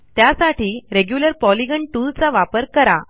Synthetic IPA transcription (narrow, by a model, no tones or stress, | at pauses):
t̪jasaʈiːɾeɡjuləɾpɔliɡəɳʈult͡saʋapəɾkəɾa